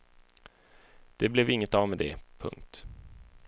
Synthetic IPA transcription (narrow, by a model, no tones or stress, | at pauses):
d̪̥ɛblɛvɪŋːət̪avmɛd̪ɛpʰɵ̰ŋk̚t̪